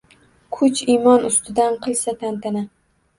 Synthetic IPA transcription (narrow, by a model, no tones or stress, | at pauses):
kʰʊt͡ʃimɒnʊst̪ʰɪd̪anqʰɨlˠsat̪ʰant̪ʰɪna